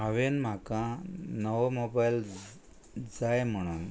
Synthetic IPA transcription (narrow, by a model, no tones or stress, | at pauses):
ɦaʋenm̤akãnəʋmobajl | d͡zajm̤əɽ̃uːn